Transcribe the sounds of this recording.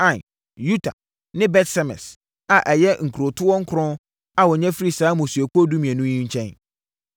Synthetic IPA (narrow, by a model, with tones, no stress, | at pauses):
ã˨n | ju˦tʰa̰˨ | nɪ̃˦bɛ˦tsɛ˨mɛ̰˨s | a˨ʔɛ˨jɛ˦ŋ̩˨kʰɾo˨tʰʊ˦wɔ̃˦ŋ̩˦kʰʊ̃˦ | a˨wɔ˨ɲɛ̃˦fi˦ɾi˦saː˨˦mʊ̃˨su˨æ˨ku˦o˦du˦mĩ˨ɛ̃˨nʊ̃˦ɲĩ˦ɲ̩˦t͡ɕʰɛ̃˦n